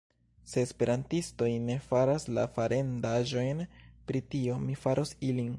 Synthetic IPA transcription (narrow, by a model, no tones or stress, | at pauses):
se̞ːspe̞ɾantisto̞jne̞faɾasla̰faɾʔe̞ndaʒo̞jnpɾitio̞mifaɾʔo̞silin